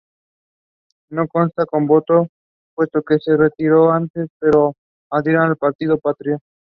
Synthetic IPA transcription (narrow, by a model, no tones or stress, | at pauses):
nokonst̪akombot̪o | pwest̪okeseret̪iɾoant̪espeɾo | aðiɾanalpaɾt̪ið̞opat̪ɾjo